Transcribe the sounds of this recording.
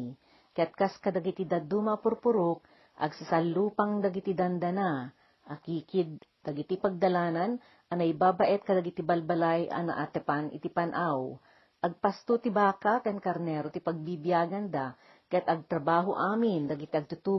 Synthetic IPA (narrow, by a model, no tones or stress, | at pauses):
kɐjat̪̚kaskɐd̪ɐɡɪt̪ɪd̪ad̪umapʊɾpʊɾok̚ | ʔɐ̰ɡsɐsalːuːpaŋd̪ɐɡɪt̪id̪and̪ana | ʔakiːkɪd̪̚d̪ɐɡɪt̪ipɐɡ̚d̪ɐlaːnan | ʔɐnaʔibabaʔɛt̪̚kɐd̪aɡɪt̪ɪbɐlbɐlajʔa̰na̰ʔat̪ɛpanʔɪ̰t̪ɪpanʔaw | ʔɐɡ̚past̪ut̪ɪbaːkak̪ɛnkɐɾnɛɾot̪ɪpɐɡ̚bibjaːɡand̪a | kɐjat̪ʔɐɡ̚t̪ɾɐbaːɦoʔaːmɪnd̪ɐɡɪt̪iʔɐɡ̚t̪ʊt̪uː